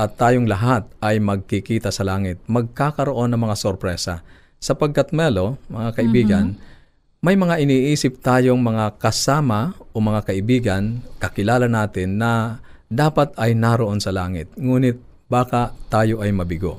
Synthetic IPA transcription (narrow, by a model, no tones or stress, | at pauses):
ʔɐt̪ːaːjoŋlɐɦat̪̚ʔɐjmɐɡ̚kɪkiːt̪ɐsɐlaːŋɪt̪̚mɐɡ̚kakɐɾoʔo̞nːɐŋmɐŋasoɾpɾɛːsɐ̰ | sɐpɐɡkɐt̪̚mɛlomɐŋakɐʔɪbiːɡɐn | mɐjmɐŋaʔɪniːʔiːsɪp̚t̪aːjo̞ŋmɐŋakɐsaːmɐʔo̞mɐŋakɐʔɪbiːɡɐnkɐkɪlaːlɐnaːt̪ɪnːɐd̪aːpɐt̪ɐjnaɾoʔo̞nsɐlaːŋɪt̪̚ŋuːnɪt̪̚ | baːkat̪aːjo̞ʔɐjmɐbɪɡo̞̰